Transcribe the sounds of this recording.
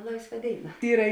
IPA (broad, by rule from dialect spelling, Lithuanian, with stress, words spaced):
ˈlˠɐɪsˌʋɐ ˈdʲeːɪˌnɐ ˈiːrɐ